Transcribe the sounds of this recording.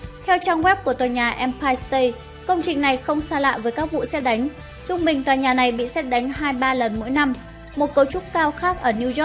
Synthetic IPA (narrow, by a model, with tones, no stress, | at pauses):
t̪ʰɛ˧wt͡ɕaː˧ŋwɛ˦˥p̚ku˧˩ət̪waː˨˩jɲaː˨˩ʔɛ˧mpaː˧jst̪ə˧j | kə˧wŋ͡mt͡ɕï˨˩ŋ̟na˨˩jxə˧wŋ͡msaː˧la̰ː˧˨jvəː˨˦jkaː˦˥k̚vṵ˧˨sɛ˦˥t̚ɗa˨˦jŋ̟ | t͡ɕʊ˧ŋ͡mɓï˨˩ŋ̟t̪waː˨˩jɲaː˨˩na˨˩jɓḭ˧˨sɛ˦˥t̚ɗa˨˦jŋ̟ɦaː˧jɓaː˧lə˨˩nmo̰˧˥jna˧m | mo˨˩t̚kə˨˦wt͡ɕʊ˦˥t̚kaː˧wxaː˦˥k̚ʔəː˧˩ni˧zɔ˦˥k̚